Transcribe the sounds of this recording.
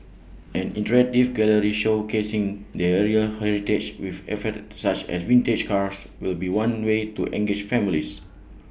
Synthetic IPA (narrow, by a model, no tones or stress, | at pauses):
ʔɛ̃nĩntɹɛtifɡɛləɹiʃokesĩŋdɛɛɹiəhɛɹited͡ʒwifɛ̰fətsat͡ʃɛ̰svĩnted͡ʒkaɹs | wilbiwãnwetuʔɛ̰̃ŋɡed͡ʒfɛ̃milis